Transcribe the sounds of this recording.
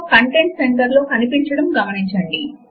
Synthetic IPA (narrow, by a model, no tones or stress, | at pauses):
kɐɳʈe̞ɳʈseɳʈɐɾloːʔɐnipiɲt͡ʃɐɽɐmɡɐmɐniɲt͡ʃɐɳɖi